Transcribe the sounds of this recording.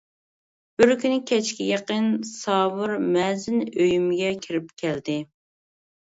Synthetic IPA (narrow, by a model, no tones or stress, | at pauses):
b̥ɪɾkʲynɪkʲʰɛt͡ʃkʲijʲeqənsɑːwɨɾmɛzɪnøjymɪɡʲɛkʲʰiɾɪpkʲʰɛld̪ɪ